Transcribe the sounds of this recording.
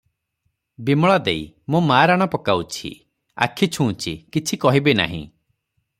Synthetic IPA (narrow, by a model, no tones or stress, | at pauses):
bimɔɭad̪ei | mũmaːɾaɽ̃ɔpɔkawt͡ʃʰḭ | a̰kʰit͡ʃʰũːt͡ʃʰikit͡ʃʰikɔɦibena̰ɦḭ̃